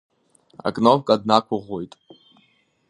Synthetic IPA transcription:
a̰kʼnovkʼadnakʷʰʊʁʷojtʼ

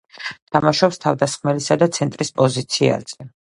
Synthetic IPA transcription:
t̪ʰamaʃɔpst̪ʰavd̪asχmɛlisad̪at̪sʰɛnt̪ʼɾispʼɔzit̪sʰia̰z̥ɛ

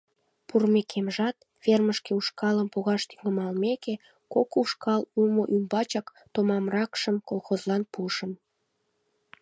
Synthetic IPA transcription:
purmekʰemʒɑt̪ | βerməʃkeuʃkɑləmpoɣɑʃt̪yŋəmɑlmeke | kokuʃkɑlumoʔymbɑt͡ɕɑk | t̪omɑmrɑkʃəmkolˠxozlɑnpuʃəm

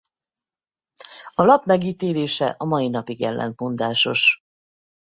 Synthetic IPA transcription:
ɒlɒpmɛɡiːt̪eːleːʃɛʔɒmɒjinɒpiɡɛ̰lːʔɛ̰nt̪mond̪aːʃo̞̰ʃ

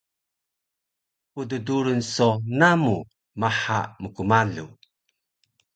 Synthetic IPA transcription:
udəduɾənsonamu | maħaʔməkumaɮṵ

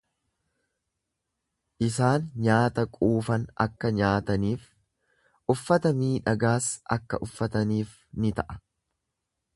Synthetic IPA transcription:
ʔɪsaːnɲaːt̪ɐkʼuːfɐnɐ̰kːɐɲaːt̪ɐniːf | ʔʊfːɐt̪ɐmiːᶑɐɡaːsʔɐ̰kːɐ̰ʔʊfːɐt̪ɐniːf | nɪt̪ɐʔɐ̥

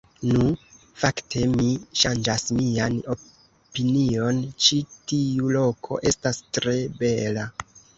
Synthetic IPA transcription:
nu | fakte̞miʃand͡ʒasmiano̞ | pinio̞nt͡ʃitiulo̞kʰo̞̰ʔe̞stastɾe̞be̞la

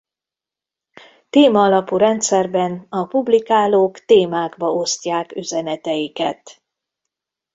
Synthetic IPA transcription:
t̪eːmɒːlɒpuːɾɛnt̪sɛrbɛnɒpublikaːloːkt̪eːmaːɡbɒʔo̞sc̪aːkyzɛnɛt̪ɛjikɛt̪

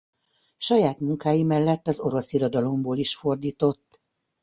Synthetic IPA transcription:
ʃɒjaːt̪muŋkaːjimɛlːɛt̪ːɒzo̞ɾo̞siɾod̪ɒlo̞mboːliʃfo̞rd̪iːt̪o̞t̪ː

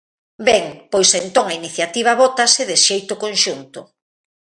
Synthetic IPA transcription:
bɛŋpojsent̪oŋainiθjat̪iβ̞ɐβɔt̪asɪðɪʃejt̪ʊkonʃunt̪ʊ

